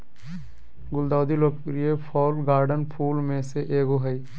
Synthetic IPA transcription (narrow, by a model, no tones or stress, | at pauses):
ɡʊld̪awd̪ilokɾiepʰɔːlɡaːɾɖənpʰulmẽseʔeɡoɦəj